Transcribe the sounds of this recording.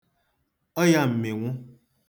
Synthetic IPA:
ɔ˦ja˨m̩˨mẽ˨ŋɔ̃˦

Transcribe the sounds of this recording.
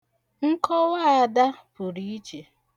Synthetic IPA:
ŋ̩˦kɔ˦wa˦˨a˨da˦pʊ˨ɾi˦i˦t͡ʃe˨

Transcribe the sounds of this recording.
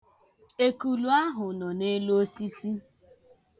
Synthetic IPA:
e˨ku˨lu˦a˦ɦʊ˨nɔ˨ne˦lo˦o˦si˦si˦

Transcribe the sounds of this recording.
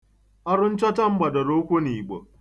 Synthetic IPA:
a˦ɾʊ˦n˦t͡ʃa˦ta˦m̩˦ba˨da˨ɾo˦kʷo˦niː˨ɡ͡bo̰˨

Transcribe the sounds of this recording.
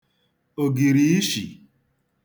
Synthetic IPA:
o˨ɡi˨ɾi˨˦i˦ʃḭ˨

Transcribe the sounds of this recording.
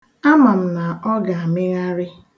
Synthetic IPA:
a˦ma˨m̩˨na˨ɔ˦ɡa˨a˨mɪ˦ɣa˦ɾɪ˦

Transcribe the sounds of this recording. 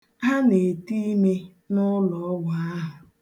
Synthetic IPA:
ɦa˦ne˨ti˦me˦ | nʊ˦lɔ˨˦ɡʷa˨a˦ɦʊ˨

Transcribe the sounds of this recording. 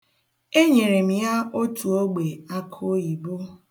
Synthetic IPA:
e˦ɲe˨ɾe˨m̩˨ja˦o˦tu˨o˦ɡ͡be˨a˦kʰo˦i˨bo˦

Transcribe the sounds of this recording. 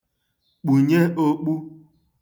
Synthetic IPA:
k͡pu˨ɲe˦ʔo˦k͡pu˦

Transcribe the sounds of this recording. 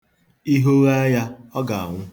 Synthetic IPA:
i˦ɦo˦ɣa˦ja˦ɔ˦ɡa˨a˨ŋʷʊ˦

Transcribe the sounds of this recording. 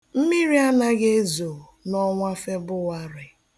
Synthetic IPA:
m̩˦mi˦ɾi˦a˦na˦ɣe˦zo˨nɔ˦ŋʷa˦fe˦bʊ˦wa˦ɾɪ˨

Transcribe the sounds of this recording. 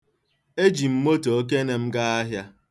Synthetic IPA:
e˦d͡ʒi˨m̩˦mo˦to˨o˦k̬e˦ne˨m̩˦ɡa˦a˦ɦja˦

